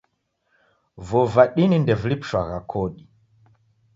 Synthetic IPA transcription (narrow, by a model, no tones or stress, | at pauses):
vɔvaɗinindɛvulipu̥ʃwaɣakʰɔɗi